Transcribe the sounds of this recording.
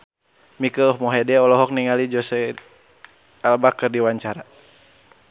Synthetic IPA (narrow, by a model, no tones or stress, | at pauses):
mikəhmɔɦɛdɛɔlɔɦɔk̚niŋalid͡ʒɔsɛ | albakɨrdiwaɲt͡ʃaɾa